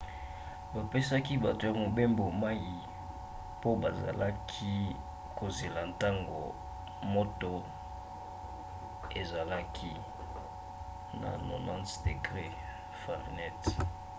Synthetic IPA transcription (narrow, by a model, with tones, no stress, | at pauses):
ba˨pe˦sa˦ki˦ba˨to˨ja˨mo˨be˦mbo˨ma˦ji˨ | po˦ba˨za̰˨la˦kʰi˦ | ko˨ze˨la˨nta˦ŋɡo̰˨ | mo˦to˦ | e˨za˨la˦kʰi˦ | na̰˨no̰˨nã˦nsde˨ɡʁe˦ | fa˨ʁnɛ˦t